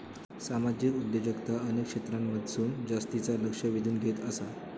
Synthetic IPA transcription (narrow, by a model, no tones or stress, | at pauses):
samad͡ʑikud̪jod͡ʑəɡt̪aənekʂet̪ɾamːəd̪ʱsuːnd͡zast̪it͡saləkʂəʋid̪ʱuːnɡʱet̪əsa